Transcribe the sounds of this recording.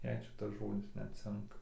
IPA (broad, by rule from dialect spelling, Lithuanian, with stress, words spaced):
jɛɪ ˈʃʲɪtɐs ʒoːdʲɪs ˈnʲɛt ˈt͡sʲɪŋkɐ